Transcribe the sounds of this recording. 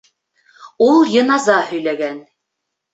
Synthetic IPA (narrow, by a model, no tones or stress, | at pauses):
ulˠjɤ̆nɑzɑhɵ̆jlæɡæn